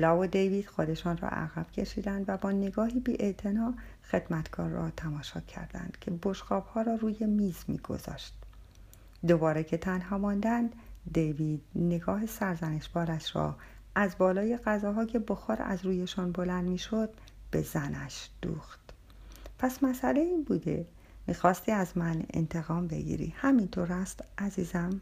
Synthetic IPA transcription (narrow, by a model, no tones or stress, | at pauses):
lɒːvod̪ejviːd̪̥xo̞d̪e̞ʃɒːnrɒ̰ʔæ̰ɣæb̥cʰe̞ʃiːd̪ænd̪væbɒːne̞ɡɒːɦiːbiːʔe̞ʔt̪ʰe̞nɒːxe̞d̪̥mæt̪ʰɡʰɒ̰ːɾːɒ̰ːt̪ʰæmɒːʃɒːcʰːæ̰ɾd̪æ̰nd̪̥cʰe̞bo̞ʃxɒːb̥hɒːɾɒːruːje̞miːzmḭːɡ̥o̞̰zɒ̰ːʃt̪̚ | d̪obɒːɾecʰe̞t̪ʰænɦɒːmɒnd̪ænd̪d̪ejviːd̪̥ne̞ɡɒːɦesæɾzæne̞ʃbɒːɾæʃɾɒ̰ː | ʔæzbɒːlɒːje̞ɣæzɒːɦɒːcʰe̞boxɒːɾæ̰zɾuːje̞ʃɔnbo̞lænd̪miːʃod̪̥̚ | b̥e̞zænæʃd̪̥ṵːxt̪ | pʰæsmæsæle̞iːnbuːd̪e̞̰ | miːxɒːst̪iːæzmæne̞̰nt̪ʰe̞ɣɒːmbe̞̰ɡḭːɾḭhæmint̪ʰoɾhæst̪ʔæziːzæm